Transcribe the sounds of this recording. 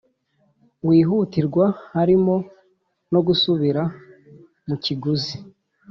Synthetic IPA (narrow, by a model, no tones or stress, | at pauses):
wiːɦutiɾɡwahaɾimo̞ | no̞ɡusuβiɾa | muciɡuzi